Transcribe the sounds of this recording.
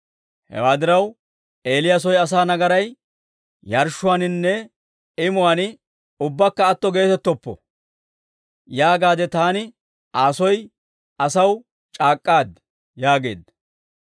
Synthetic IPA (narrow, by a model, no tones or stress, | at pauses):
hɛ̰waːd̪ɪɾɐw | e̞ːlɪjas̬ɔjɐs̬aːnɐɡɐɾɐj | jɐɾʃʊwaːnɪnːɛ | ɪmʊwanɪ | ʊbːɐkːɐːt̪ːɔɡe̞ːt̪ɛt̪ːɔpːɔ̰ | jaːɡaːd̪ɛt̪aːnɪ | ʔaːsɔj | ɐsɐw | t͡ʃʼaːkʼːaːd̪ | jaːɡe̞̰ːd̪ɐ